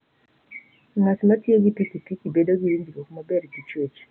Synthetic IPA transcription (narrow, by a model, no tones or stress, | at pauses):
ŋasmatjeɡipikipikibedoɡiɾindikokmɔbɛɾɡit͡ʃwet͡ʃ